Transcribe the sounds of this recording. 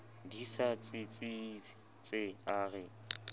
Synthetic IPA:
disat͡sʼɪt͡sʼɪ | t͡sʼɪaːrɪ

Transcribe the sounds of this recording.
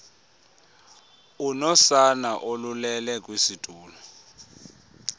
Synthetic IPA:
unɔsanaʔolulɛlɛkʼwisid̥ʱuːlɔ

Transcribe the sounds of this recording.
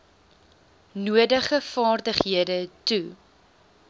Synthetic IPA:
nuədəχəfɑːrdəχɦiədətu

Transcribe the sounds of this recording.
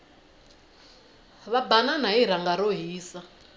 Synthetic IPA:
βabananaiɾaŋɡaɾoɦiːsa

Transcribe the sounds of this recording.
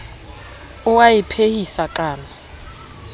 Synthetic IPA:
ʊwajɪpʰehisakʼaːna

